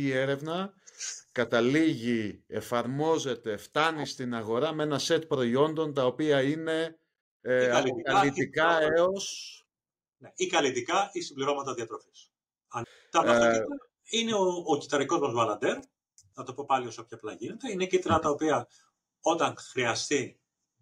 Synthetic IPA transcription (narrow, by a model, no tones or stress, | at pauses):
e̞ɾe̞vnɐ | kɐt̪ɐliʝie̞fɐɾmo̞ze̞t̪e̞ft̪ɐnist̪inɐɣo̞ɾɐmee̞nɐse̞t̪pɾo̞io̞nd̪o̞nt̪ɐo̞piɐine̞ | ɐlkɐlit̪ikɐeo̞s | neikɐlit̪ikɐisimbliɾo̞mɐt̪ɐðiɐt̪ɾo̞fis | ɐ | t̪ɐmɐsi | ine̞oːcit̪ɐɾiko̞zmɐzvɐlɐnd̪e̞ɾ | nɐt̪o̞po̞pɐlio̞sɐpçɐplɐʝine̞t̪einecit̪ɾɐt̪ɐopiɐ | o̞t̪ɐŋxɾiɐst̪i